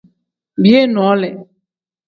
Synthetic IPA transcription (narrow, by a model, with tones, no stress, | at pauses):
bi˦e˦n˨ɔ˨ɔ˨˦lɛ˨